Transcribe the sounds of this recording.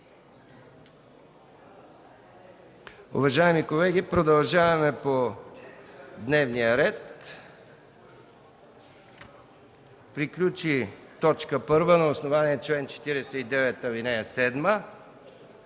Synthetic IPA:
ṵvɐʒaɛmikolɛɡ̟ipɾod̪ɐlˠʒavɐmɛpo | d̪nɛvnijəɾɛt̪ | pɾiklʲut͡ʃit̪ɔt͡ʃkəpɤɾvənɐosnovaniɛt͡ʃlɛnt͡ʃɛ̥t̪iɾɛsɛid̪ɛvɛt̪əlinɛjɛsɛd̪mə

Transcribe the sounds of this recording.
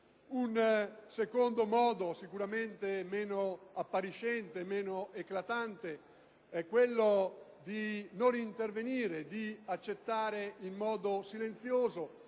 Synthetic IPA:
unsekond̪omɔːd̪osikuɾament̪emeːnoapːaɾiʃɛnt̪emeːnoeklat̪ant̪e | ɛkːwelːod̪inonint̪erveniːɾed̪iat͡ʃːet̪ːaːɾeimːɔːd̪osilent̪sjoːzo

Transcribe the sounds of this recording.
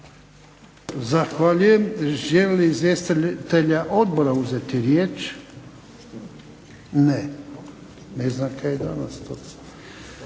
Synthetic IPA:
zaxʋaʎujemʒelliːzʋjest̪t̪eʎaʔo̞d̪̚boɾauzet̪iɾjeːt͡ʃ | ne | neznamkʰajed̪anast̪os

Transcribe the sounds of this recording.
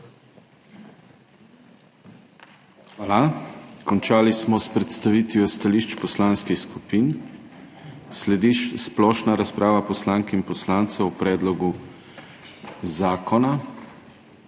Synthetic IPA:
xʋaːlakɔnt͡ʃaːlismɔspɾɛt̪st̪aʋiːt̪ʋjɔst̪aliʃt͡ʃpɔslaːnskixskupin | slɛd̪iʃsplɔːʃnaɾaspɾaːʋapɔslaŋkɛinpɔslaːnt̪sɛɔpɾɛːd̪lɔɡu | zaːkɔna

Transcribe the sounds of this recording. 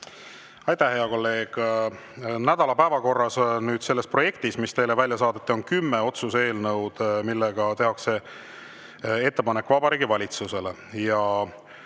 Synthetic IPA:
ɑjt̪æhhe̞ɑko̞lːe̞ːɡ̥ | næd̪̥ɑlɑpæevɑko̞rːɑsnyːd̪̥se̞lːespro̞jekt̪ismist̪e̞jlevælʲjɑsɑːd̪̥et̪ːˑio̞nkymːeo̞t̪suse̞ːlnɤwd̪̥milːeɡ̥ɑt̪e̞ɦɑkse̞ | e̞t̪ːe̞pɑnekːvɑbɑɾiːɡivɑlʲit̪suse̞le̞ | jɑ

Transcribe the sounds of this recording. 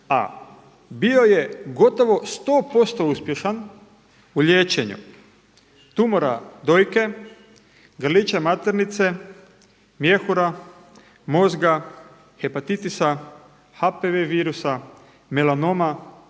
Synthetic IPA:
a̰ | bio̞jeɡo̞t̪oʋo̞st̪oːpo̞st̪o̞uspje̞ʃan | uʎeːt͡ɕeɲṵ | t̪umoɾa̰d̪ojke̞ | ɡr̩lit͡ʃemat̪eɾnit̪se̞ | mje̞xuɾa | mo̞zɡa | xepat̪it̪isa | hapeʋeʋiːɾusa | melanoma

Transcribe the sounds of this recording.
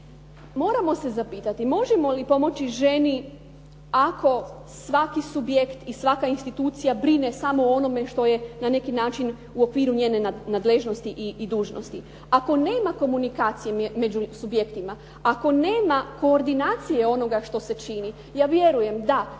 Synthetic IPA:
mo̞ːɾamo̞se̞zapiːt̪at̪imo̞ʒe̞mo̞lipo̞mo̞t͡ɕiʒe̞ni | akʰo̞ | sʋakisubje̞kt̪isʋakainst̪it̪uːt̪sijabɾine̞samo̞ono̞me̞ʃt̪o̞je̞nane̞kinaːt͡ʃin | uo̞kʋiːɾuɲeːne̞nad̪leʒno̞st̪iʔiːd̪uːʒno̰st̪i | ako̞ne̞ːmako̞munikaːt̪sijeme̞d͡ʑusubje̞kt̪ima | ako̞ne̞ːmako̞ːɾd̪inaːt̪sijeo̞no̞ɡaʃt̪o̞se̞t͡ʃini | jaːʋje̞ɾuje̞md̪a

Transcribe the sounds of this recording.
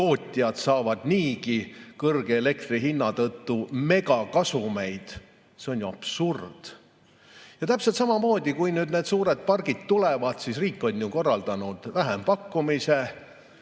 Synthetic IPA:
o̞ːt̪ʲːˑiɑd̪̥sɑːvɑd̪̥niːkikɤrɡeele̞k̚t̪riɦinːɑt̪ɤt̪ːume̞ɡɑkɑsume̞jd̪̥ | se̞o̞nʲjuɑ̰b̥surd̪̥ | jɑt̪æpset̪sɑmɑmo̞ːd̪̥ʲikujnyːd̪ne̞ːd̪̥suːɾed̪̥̚pɑrɡ̥id̪̥t̪ulevɑd̪̥sisriːkːˑo̞nʲːjuko̞rːɑld̪̥ɑnud̪̥væɦempɑkːumise

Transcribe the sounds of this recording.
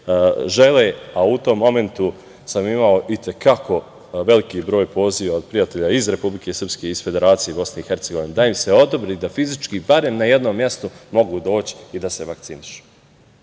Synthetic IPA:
ʒe̞leːaut̪o̞mːo̞me̞nt̪u | samimaoʔit̪e̞kako̞ | ʋe̞likiːbɾoːjpo̞ːziːʋaod̪̚pɾijat̪eʎaizɾe̞publike̞sər̩pske̞izfe̞d̪e̞ɾaːt̪sijebo̞sne̞ixe̞ɾt̪seɡo̞ʋined̪aimse̞o̞d̪obɾiːd̪afizit͡ʃkibaɾe̞mnaje̞d̪nomːje̞st̪omo̞ɡuːd̪o̞ːt͡ɕi̥id̪ase̞ʋak̚t̪siniʃu̥

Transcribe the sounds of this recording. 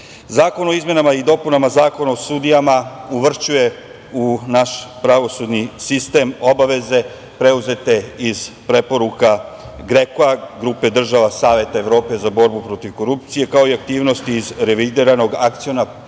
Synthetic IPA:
zaːko̞no̞izme̞namaid̪o̞punamazaːko̞naosud̪ijamauʋr̩t͡ʃuje̞ | unaʃpɾaʋo̞sud̪nisist̪e̞mo̞baʋe̞ze̞ | pɾe̞uze̞t̪e̞iz̥pɾe̞po̞ɾuka | ɡɾekoaɡɾupe̞d̪r̩ʒaʋasaːʋe̞t̪aeʋɾo̞ːpe̞zabo̞ɾbupɾo̞t̪iʋko̞ɾup̚t̪sije̞kao̞iak̚t̪iːʋno̞st̪iːzɾe̞ʋid̪iɾano̞ɡakt̪sijo̞na

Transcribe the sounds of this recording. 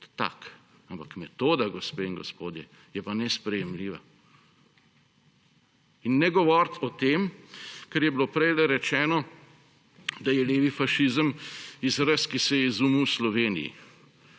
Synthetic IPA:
t̪a̰kampakmɛt̪oːd̪aɡɔspeːiŋɡɔ̰spoːd̪jɛ | jɛpanɛspɾɛjɛmliːʋa̰ | inːɛɡɔʋɔɾt̪ʰɔt̪eːmkɛɾjɛbilopɾɛjlɛɾɛt͡ʃɛːnɔ | d̪ajɛleːʋifaʃizəmizɾəskisɛjɛizumuwslɔʋeːnḭjḭ

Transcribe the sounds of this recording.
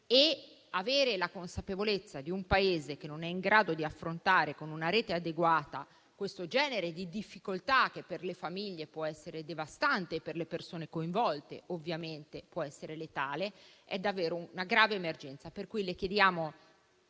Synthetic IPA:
e | aveːɾelakonsapevolet̪sːad̪iumpaeːzek̟enːonɛiŋɡɾaːd̪od̪iafːɾont̪aːɾekonunaɾeːt̪ead̪eɡwaːt̪a | kwest̪od͡ʒɛːneɾed̪id̪ifːikolt̪ak̟ːepːerlefamiʎːepwɔɛsːeɾed̪evast̪ant̪eːpːerlepersoːnekoĩɱvɔlt̪ḛovːjament̪epwɔɛsːeɾelet̪aːleɛd̪ːavːeːɾonaɡɾaːveːmerd͡ʒɛnt̪saperkujlek̟jed̪jaːmo

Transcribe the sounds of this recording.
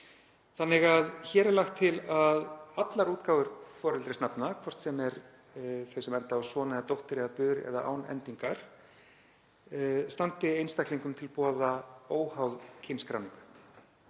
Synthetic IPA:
θanːɪɣaðçɛːɾɪlaxt̪ʰːɪlaðat̪laɾuːt̪kaːwvʏɾfɔːɾɪlt̪ɾɪsnapnakʰvɔr̥t̪sɛmɛɾ | θesɛmɛnt̪aːsvɔːnaðat̪owht̪ɪɾɪðapʏːðɾɛ̰ðaʔa̰wnɛ̰nt̪iŋkaɾ̥ | st̪ant̪ɪejnst̪ajkliŋkʏmt̪ʰɪlpɔːðaoːwhawðcʰɪnskɾawniŋkʏ̥

